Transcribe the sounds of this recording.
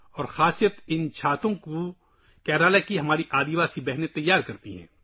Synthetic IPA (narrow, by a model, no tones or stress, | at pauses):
ɔːɾxaːsijət̪ɪnt͡ʃʰaːt̪õko | kɛːɾaːlekiɦɐmaːɾiʔaːd̪iʋaːsibɛɦnẽt̪ɐjːaːɾkɐɾt̪ḭɦɛ̰̃ː